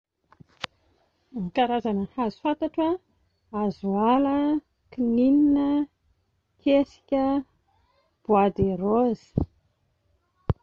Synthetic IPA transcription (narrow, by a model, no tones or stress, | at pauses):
mikaɾazanəhazu̥fant̪aʈ͡ʂə | azualə | kinininə | kʰesi̥kʲə | b̥uad̪eɾoz̥i̥